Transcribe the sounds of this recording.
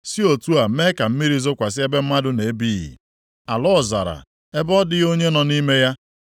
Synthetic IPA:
si˦o˨tu˦a˨˦me˦ka˨m̩˦mi˦ɾi˦zʊ˦kʷa˨sɪ˦e˦be˦m̩˦ma˦dʊ˨ne˨˦bi˦ɣḭ˨ | a˨lɔ˦˨za̰˨ɾa̰˨ | e˦bɔ˦dɪ˦ɣo˦ɲe˦nɔ˨ni˦me˦ja˦

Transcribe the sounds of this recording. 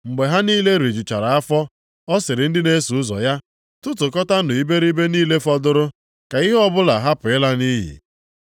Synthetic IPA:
ŋ͡m̩˨ɡ͡be˨ɦa˦niː˦le˦ɾe˨d͡ʒu˨t͡ʃa˨ɾa˨a˦fɔ˦ | ɔ˦sɪ˨ɾɪ˨n̩˦dɪ˦ne˦su˨ʊ˦zɔ̰˨ja˦ | tʊ˦tʊ˨kɔ˦ta˦nʊ˨i˦be˦ɾi˦be˦niː˦le˦fɔ˦dʊ˦ɾʊ˦ | ka˨i˦ɦɔ˦bʊ˦la˨ɦa˦pʊ˨ɪ˦la˦ni˦ɦḭ˨

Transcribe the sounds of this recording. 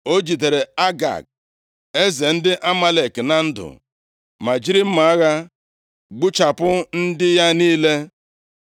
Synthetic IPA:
o˦d͡ʒi˨te˨ɾe˨a˦ɡa̰˨k̚ | e˦ze˨n̩˦dɪ˦ʔa˦ma˦le˨kna˦n̩˦dʊ̰˨ | ma˨d͡ʒi˦ɾi˦m̩˦ma˨a˦ɣa˦ | ɡ͡bu˦t͡ʃa˨pʊ˦n̩˦dɪ˦ja˦niː˦le˦

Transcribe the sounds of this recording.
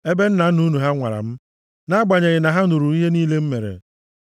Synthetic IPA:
e˦be˦n̩˦na˨˦nu˦nu˨ɦa˦ŋʷa̰˨ɾa̰˨m̩˦ | na˦ɡ͡ba˨ɲe˨ɣɪ˨na˨ɦa˦nu˨ɾu˨i˦ɦe˦niː˦le˦m̩˦me˨ɾḛ˨

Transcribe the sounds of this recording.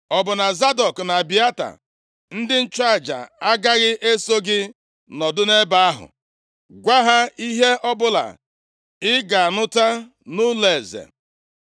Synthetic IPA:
ɔ˨bʊ˨na˨za˦dɔ˨kna˨bi˨a˦ta̰˨ | n̩˦dɪ˦n̩˦t͡ʃa˦˨d͡ʒa̰˨a˦ɡa˦ɣɪ˦ʔe˦so˦ɡɪ˦ | nɔ˨dʊ˦ne˦ba˦a˦ɦʊ̰˨ | ɡʷa˦ɦa˦i˦ɦe˦ʔɔ˦bʊ˦la̰˨ | ɪ˦ɡa˨a˨nʊ˦ta˦ | nu˦le˨zḛ˨

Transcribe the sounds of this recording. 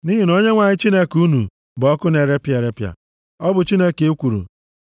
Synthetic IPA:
ni˦ɦi˨no˦ɲe˦ŋʷa˨ɲɪ˦t͡ʃi˦ne˦ku˦nṵ˨ | bɔ˦kʊ˦ne˨ɾe˦pja˨ɾe˦pja̰˨ | ɔ˦bʊ˨t͡ʃi˦ne˦ke˦kʷu˨ɾṵ˨

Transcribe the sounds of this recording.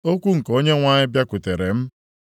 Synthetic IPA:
o˦kʷu˦ŋ̩˨ko˦ɲe˦ŋʷa˦ɲɪ˦bja˦kʷʊ˨te˨ɾe˨m̩˦

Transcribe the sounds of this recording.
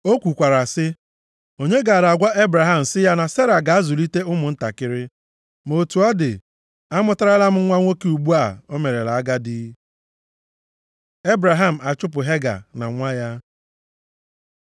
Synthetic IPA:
o˦kʷu˨kʷa˨ɾa˨sɪ˦ | o˨ɲe˦ɡa˨ɾa˨ɡʷa˦ʔe˦bɾa˨ɦa˦m̩˨sɪ˦ja˦na˨se˦ɾa˨ɡa˨a˦zʊ˨li˦te˦ʊ˦mʊ˨n̩˦ta̰˨kɪ˦ɾɪ˦ | mo˨tu˨ɔ˦dɪ̰˨ | a˦mʊ˦ta˦ɾa˦la˦m̩˦ŋʷa˦ŋʷo˦ke˦u˨ɡ͡bu˦a˦˨o˦me˨ɾe˨la˨a˦ɡa˦di˦ | e˦bɾa˨ɦa˦m̩˨a˨t͡ʃʊ˦p̬ʊ˨ɦe˦ɡa̰˨na̰˨ŋʷa˦ja˦

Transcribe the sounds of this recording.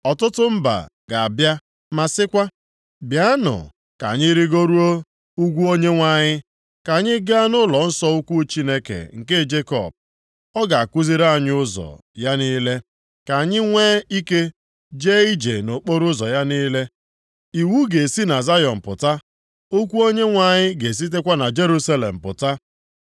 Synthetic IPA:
ɔ˨tʊ˦tʊ˦m̩˦ba̰˨ | ɡa˨a˨bja˦ | ma˨sɪ˦kʷa˦ | bja˦nʊ̰˨ | ka̰˨ɲɪ˦ɾi˦ɡo˦ɾu˦o˦ | u˦ɡʷu˦o˦ɲe˦ŋʷa˦˨ɲɪ˦ | ka˨ɲɪ˦ɡa˦a˦nʊ˦lɔ˨n̩˦sɔ˦u˦kʷu˦t͡ʃi˦ne˦kḛ˨ŋ̩˨ke˦˨d͡ʒe˦kɔ̰˨b̚ | ɔ˦ɡa˨a˨kʷu˦zi˦ɾa˦˨ɲ˦ʊ˦zɔ̰˨ja˦niː˦le˦ | ka˨ɲɪ˦ŋʷeː˦i˦ke˦ | d͡ʒe˦i˦d͡ʒe˨no˨k͡po˦ɾʊ˦zɔ˨ja˦ni˦le˦ | i˨wu˦ɡe˨si˦na˨za˦jɔ˨m̩˨pʊ̰˨ta˦ | o˦kʷu˦o˦ɲe˦ŋʷa˨ɲɪ˦ɡe˨s̬i˦t̬e˦kʷa˦na˨d͡ʒe˦ɾu˦sa˦lḛ˨m̩˨pʊ̰˨ta˦

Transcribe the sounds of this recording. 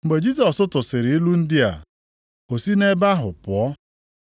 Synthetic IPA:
ŋ͡m̩˨ɡ͡be˨d͡ʒi˦s̬ɔ˨sʊ˦tʊ˨sɪ˨ɾɪ˨i˦lu˦n̩˦dɪ˦a̰˨ | o˨si˦ne˦ba˦ɦʊ˨pʊ˨ɔ˦

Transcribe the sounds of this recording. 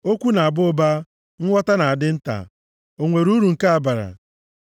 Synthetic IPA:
o˦kʷu˦na˨a˨bʊ˦ba˦ | ŋ̩˦ŋʷɔ˦ta˦na˨a˨dɪ˦n̩˦ta̰˨ | o˨ŋʷe˨ɾu˦ɾu˨ŋ̩˨ka˦a˨ba˨ɾa̰˨

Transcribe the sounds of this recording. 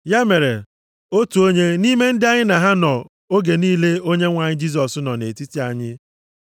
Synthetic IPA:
ja˦me˨ɾḛ˨ | o˦tu˨o˦ɲe˦ni˦me˦n̩˦dɪ˦a˦ɲɪ˦na˨ɦa˦nɔ˨ | o˦ɡe˨niː˦le˦o˦ɲe˦ŋʷa˨ɲɪ˦d͡ʒi˦s̬ɔ˨sʊ˦nɔ˨ne˨ti˦ti˦a˨ɲɪ˦

